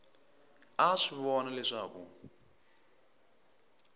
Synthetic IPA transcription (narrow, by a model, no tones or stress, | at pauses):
aʂiβɔnalɛʂaːkṵ